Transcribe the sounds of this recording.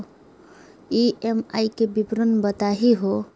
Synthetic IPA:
iemaikebipɾənbət̪aɦiɦo

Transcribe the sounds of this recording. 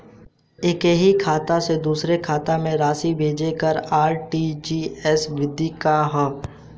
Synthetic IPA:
ɪkɦikʰaːt̪ased̪uːsɾekʰaːt̪ãmẽɾaːsibʱeːd͡ʒekəɾaːɾʈid͡ʒiːɛsʋɪd̪ʱikaɦɛː

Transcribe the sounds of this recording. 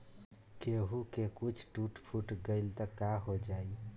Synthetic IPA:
keɦukekut͡ʃʰʈuʈpʰuʈɡəɪlt̪əkaɦod͡ʒai

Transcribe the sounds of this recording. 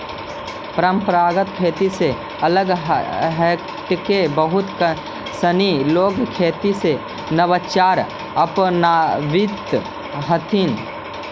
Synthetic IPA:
pəɾəmpɾaːɡət̪̚kʰeːt̪ise | ɐləɡɦɦɛ | ʈkebəɦʊt̪kə | səniloːɡkʰeːt̪ise | nəʋət͡ʃaːɾ | əpnaːʋɪt̪ | ɦət̪ʰin

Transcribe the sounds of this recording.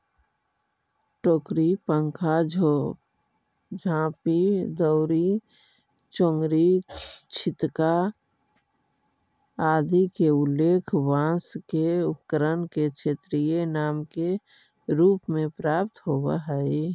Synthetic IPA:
ʈoːkɾipə̃ŋkʰa | d͡ʒʱãːpid̪əʊɾi | t͡ʃõŋɡɾit͡ʃʰɪt̪ka | aːd̪ikeʊlːeːkʰʋãːskeʊpkəɾənket͡ʃʰet̪ɾijenaːmke | ɾuːpmẽpɾaːp̚t̪ɦobaɦɛi

